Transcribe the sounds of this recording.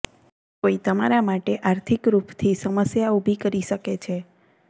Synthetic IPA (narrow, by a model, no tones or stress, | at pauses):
koit̪əma̰ɾamaʈeʔaɾt̪ʰikɾupt̪ʰisəməsjaubʱikəɾiʃəket͡ʃʰe